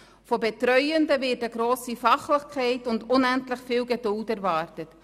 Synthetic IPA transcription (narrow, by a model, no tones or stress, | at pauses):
fɔbetɾœʏəndəvɪːɾdəɡɾoːsifɑχlɪχkʰɛɪtʊndʊnɛntlɪχfɪːlɡɛdʊltæɾvɑːɾtət